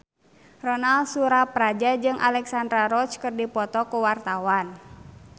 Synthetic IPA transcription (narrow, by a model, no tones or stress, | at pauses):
rɔnalsuɾapɾad͡ʒad͡ʒɨŋʔa̰lɛksandɾaɾɔt͡ʃkɨrdipɔt̪ɔkuwart̪awan